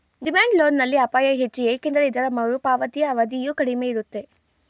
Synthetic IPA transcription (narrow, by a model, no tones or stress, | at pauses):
ɖimaːɳɖlo̞ːnːɐlːiɐpaːjɐɦet͡ʃːiekind̪ɐɾɐid̪ɐɾɐmɐʋɾupaːʋɐt̪ijɐːʋɐd̪ijukɐɽimeːiɾut̪ːe̞